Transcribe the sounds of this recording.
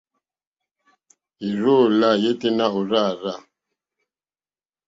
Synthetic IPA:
i˨ɾo˦˨la˦˨je˦te˦na˦o˨ɾa˦˨ɾa˦˨

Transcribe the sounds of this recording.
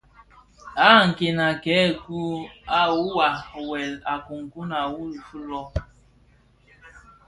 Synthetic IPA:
a˦˨ŋ̩˨kɪ˨na˨ke˨˦˨ku˦a˦˨wʊ˦wa˨we˨la˨kʊ˨ŋ̩˨ku˦na˨wu˦ɾu˨fu˦lɔ˦

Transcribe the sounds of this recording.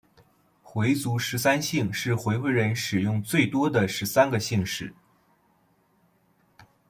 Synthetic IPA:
xwe˧˥ɪt͡su˧˥ʂɻ̩˧˥sa˥nɕi˥˩ŋʂɻ̩˥˩xwe˧˥ɪxwe˧˥ɪɻə˧˥nʂɻ̩˨˩jʊ˥˧ŋt͡swe˥˩ɪt̪wɔ˥d̪ə˨ʂɻ̩˧˥sa˥nɡə˨ɕi˥˧ŋʂɻ̩˨˩˦

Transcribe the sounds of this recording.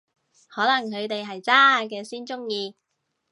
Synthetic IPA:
hɔː˨˥lɐ˨˩ŋkʰɵ˨˧t̪e˨jɦɐ˨jt͡saː˥a˨k̬ɛː˧siː˥nt͡ʃʊ˥ŋjiː˧

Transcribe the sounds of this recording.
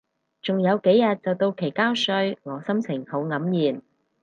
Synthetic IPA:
t͡sʊ˨ŋjɐ˨˧wke˨˥jjɐ˨t̚t͡sɐ˨wt̪o˧wkʰe˨˩jkaː˥wsɵ˧ɥŋɔː˨˧sɐ˥mt͡sʰɪ˨˩ŋho˨˥wŋɐ˨˥mjiː˨˩n

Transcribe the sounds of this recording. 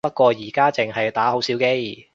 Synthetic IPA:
pɐ˥t̚kʷɔː˧jiː˨˩kaː˥t͡sɪ˨ŋɦɐ˨jt̪aː˨˥ho˨˥wsiː˨˥wke˥j

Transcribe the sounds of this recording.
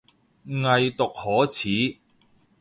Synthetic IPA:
ŋɐ˨˧jt̪ʊ˨k̚hɔː˨˥t͡sʰiː˨˥

